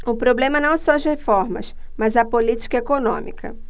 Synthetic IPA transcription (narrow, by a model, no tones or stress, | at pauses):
ʊpɾoblẽmɐnɐ̃w̃sɔɐzhefɔɾmɐ̰s | mɐzɐpolit͡ʃi̥kɐekonõ̰mḭkʰɐ̰